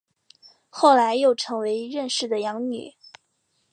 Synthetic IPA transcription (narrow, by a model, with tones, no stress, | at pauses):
xo˥˩ʊla˧˥ɪjo˥˩ʊʈ͡ʂʰɤ˧˥ŋwe˧˥ɪɻə˥˧nʂɻ̩˥˩d̪ə˩jɑ˧˥ŋny̰˨˩˦